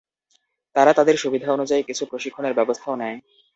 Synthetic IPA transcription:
t̪aɾat̪ad̪eɾʃubid̪ʱaonud͡ʑaikit͡ɕʰupɾoʃikʰːoneɾbɛbost̪ʰaonɛe

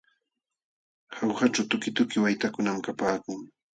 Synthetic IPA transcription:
hawxat͡ʃawt̪ʊkɪt̪ʊkɪwajt̪akʊnamkapaːkʊŋ

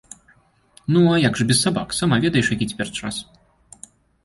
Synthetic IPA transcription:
nuajaɡʐɨbʲɛssaba̰ksamavʲɛd̪ɐjɛʂjakʲit͡sʲɛ̥pʲɛrt͡ʂa̰s

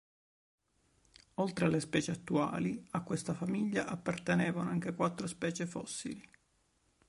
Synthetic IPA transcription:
olt̪ɾealːespɛːt͡ʃeat̪ːua̰ːliakːwest̪afamiʎːaʔapːart̪enɛːvanoaŋk̟ekwat̪ːɾospɛːt͡ʃefɔ̰sːḭli

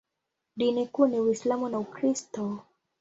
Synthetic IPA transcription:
dinikuniwislamɔnaukɾistɔ

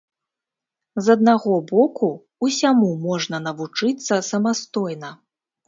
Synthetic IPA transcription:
zɐd̪̚naɣɔbɔku | usʲamumɔʐnɐnɐvut͡ʂɨt̪sːɐsɐmast̪ɔjnɐ

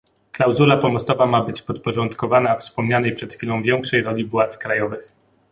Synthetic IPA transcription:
klawzulapɔmɔst̪ɔvamabɘt͡ɕpɔt̪̚pɔʐɔnt̪kɔvanafspɔmɲanɛjpʂɛt̪xfʲilɔ̃w̃vʲjɛŋkʂɛjɾɔlʲivwat̪skɾajɔvɘx

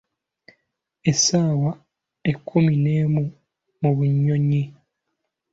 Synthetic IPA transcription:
e̞saːwa | ekʰːumineːmu | muβuɲːo̞ɲi

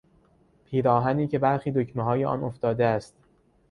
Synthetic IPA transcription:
pʰiːɾɒːɦæniːce̞bæɾxiːd̪ocʰmeɦɒːjeʔɒ̰ːno̞ft̪ɒːd̪eæst̪̚

